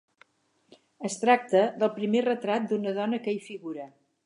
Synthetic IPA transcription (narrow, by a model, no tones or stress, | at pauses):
əst̪ɾak̚t̪əðəlˠpɾimerət̪ɾat̪̚d̪unəðɔnəkəifiɣuɾə